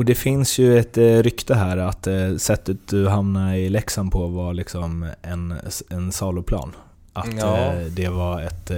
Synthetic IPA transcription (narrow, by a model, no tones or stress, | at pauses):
ɔd̪ɛfɪnsjɵɛt̪ɾʏkt̪əɦæːɾat̪sɛt̪ːət̪̚d̪ɵɦamnaɪlɛksanpʰɔvalɪksɔmɛnɛnsɑːlʊpʰlɑ̰ːn | ʔat̪d̪ɛvaɾɛt̪